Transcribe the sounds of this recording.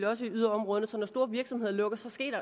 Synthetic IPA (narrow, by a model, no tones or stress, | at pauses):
ljɒ̽s̬əiyðˠɐɒ̽mʁɔ̽ːðˠən̩əsɒ̽nɒsd̥o̝̰ːɐʋiɐɡ̥sɒmhe̝ð̰ˠɐlɔ̽ɡ̥əsɒ̽sɡ̥e̝̰ːd̥ɐ